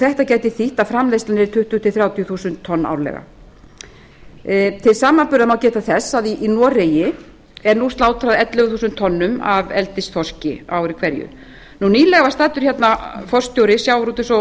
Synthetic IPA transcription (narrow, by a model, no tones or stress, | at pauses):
θɛht̪acaːjt̪ɪθiht̪afɾamlejst̪anɪɾt̪ʰʏht̪ʏt̪ʰɪlθɾjawt̪ijʏθuːsʏnt̪ʰːɔnːa̰wɾlɛ̰ɣa̰ | t̪ʰɪlsaːmanpʏɾðamawcɛːt̪aθɛsːaðiʔːnɔːreːjɪ | ɛɾnust̪laːwt̪ʰɾaðɛt̪lʏɣθuːsʏnt̪ʰːɔnːʏmavɛlt̪ɪsθɔr̥cɪawɾikʰvɛɾjʏ̰ | nuniːlɛɣavast̪aːt̪ʏɾ̥çɛt̪nafɔr̥st̪jowɾɪsjawɾuːt̪ɪsɔ